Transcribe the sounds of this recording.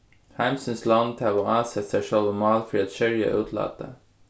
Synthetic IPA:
hæɪmsənslɑnt̪ʰɑːʋoːɑːsɛt̪sæɪʃœlʋəmɑːlfɾiːɑt̪ʃœɾjə̰ʔʉːt̪ʰlɑ̰ːt̪ə̰

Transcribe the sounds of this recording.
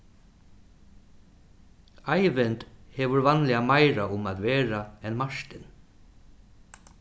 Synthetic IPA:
ajvɪnt̪hɛvʏɾvanlɪːamajɾaʊmaðvɛːɾaɛnmaʂt̪ɪn

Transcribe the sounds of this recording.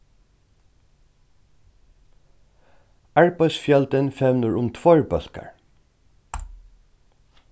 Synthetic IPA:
æɹpɑsfjɛld̪ənfɛʋnəɹʊmt̪ʰʋoɹbœlkə̰ɹ

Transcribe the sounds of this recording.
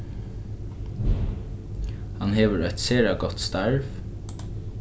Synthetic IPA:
hɑnheːʋəɹœt̪seːɹɑɡɔt̪st̪ɑɹʋ

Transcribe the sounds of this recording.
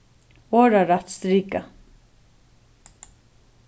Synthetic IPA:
oːɾaɾat̪st̪ɾiːka

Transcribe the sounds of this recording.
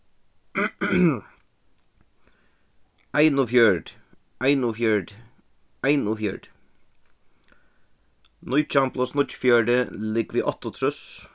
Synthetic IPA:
æɪnʊfjœɖ | ʔæɪnʊfjœɖ | æɪnʊfjœ̰ɖ | nʊʏc͡çʰɑmploːsnʊcfjœɖəlɪɡʋiːʔɑt̪ʊt̪ʰɾʉs

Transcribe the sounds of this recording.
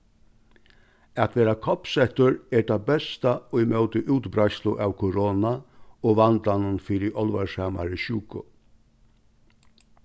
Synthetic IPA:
at̪ʰʋeːɾakʰɔpsɛht̪ʊɹɛːʈɑbɛst̪aoimœʊt̪ɪʔʉːt̪bɾɑɪslʊʔɑːʋkʰʊɾoːnaoːʋand̪lanənfiːɾɪʔɔlʋasɑma̰ɾəɕʉːkʊ̰

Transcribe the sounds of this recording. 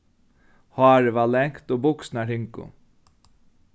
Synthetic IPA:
hɑːɹəʋaːlɛŋkt̪oːbʊksnaɾɪŋkʊ̰

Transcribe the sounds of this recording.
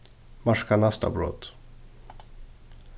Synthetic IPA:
maʂkanast̪a̰bɾɔ̰t̪

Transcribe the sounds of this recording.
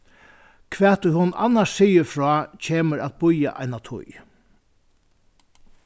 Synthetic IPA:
kʰʋɛːt̪ːʊjhʊna̰nːaʂsijɪɾfɹɔːcʰeːməɾæt̪̚bʊja̰ʔa̰jnat̪ʰʊ̰j

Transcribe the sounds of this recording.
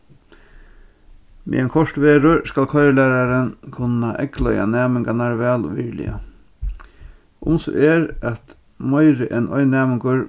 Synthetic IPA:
mḭɛnkʰɔʂtʋeːɾʊɹskalkʰɔjɾɪlæːɾaɾənkʰʊnaʔɛ̰klœ̰ja̰næːmɪŋɡanaɾʋɛːlʋilɪ̰a̰ | ʔʊ̰msɔ̰ʔɛːɾæt̪ | mɔjɾɪʔɛnɔ̰jnæːmɪŋkʊɾ

